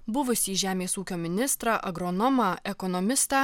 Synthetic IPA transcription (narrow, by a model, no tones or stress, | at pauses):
bʊʋʊsʲiːʒʲæːmʲeːsuːkʲoːmʲɪnʲɪst̪ɾɑːʔɐɡɾɔnɔmɑɛkɔnɔmʲɪst̪ɑː